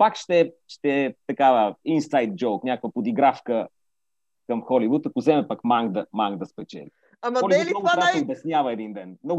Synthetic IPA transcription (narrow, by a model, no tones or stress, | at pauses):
pakʃt̪ɛʃt̪ɛt̪ɐkavəinsajt̪̚d͡ʒɔwknʲjakovəpod̪iɡɾafkə | kəmxɔlivut̪ɐkʊzɛmɛpɐkmaŋɡd̪əmaŋɡd̪ɐspɛt͡ʃɛ̰li | amɐɔlivtinɔɡ̪ɾasɛobɛsnʲjavəɛd̪ind̪ɛnmnɔɡ